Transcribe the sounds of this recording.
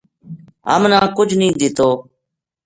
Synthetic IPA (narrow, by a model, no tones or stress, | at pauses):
ɦə̰mnãːkʊd͡ʒʱnĩːd̪ɪt̪oː